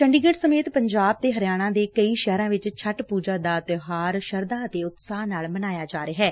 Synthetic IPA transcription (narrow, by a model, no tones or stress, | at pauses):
səɳɖiɡeːʈsəmeːt̪pəɲd͡ʒaːb̚t̪eːɦəɾɪjaːɽ̃ãːd̪eːkəiːʃɛːɾãːʋɪt͡ʃt͡ʃʰəʈpuːd͡ʒaːd̪aːt̪ɦaːɾʃəɾd̪ãːt̪eːʊt̪saːɦnaːlmənaːjaːd͡ʒaːɾeːɦɛː